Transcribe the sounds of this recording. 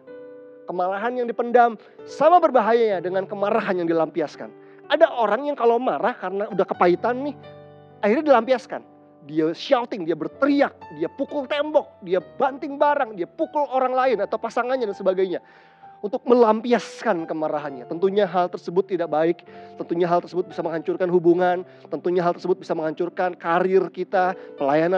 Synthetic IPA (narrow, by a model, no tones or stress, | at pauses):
kəmaɾaɦanjaŋdipəndam | samabərbaɦajaɲadəŋankəmaɾaɦanjaŋdilampiaska̰n | adaʔoɾaŋjaŋkalowmaɾahkaɾənaudahkə̥pait̪anːɪh | ahirɲadilampiaska̰n | diasʃawt̪ɪŋdiabərt̪əɾiak̚diapukʊlt̪embɔk̚diabant̪ɪŋbaɾaŋdiapukʊloɾaŋlaɪnat̪aupasaŋanɲadansəbaɡajɲa | unt̪ʊk̚məlampiaskankəmaɾaɦanɲat̪ənt̪uɲaɦalt̪ərsəbʊt̪ːidak̚baɪk̚t̪ənt̪uɲaɦalt̪ərsəbʊt̪̚bisaməŋɦaɲt͡ʃʊrkanɦubuŋan | t̪ənt̪uɲaɦalt̪ərsəbʊt̪̚bisaməŋhaɲt͡ʃʊrkankaɾɪrkit̪apəlajana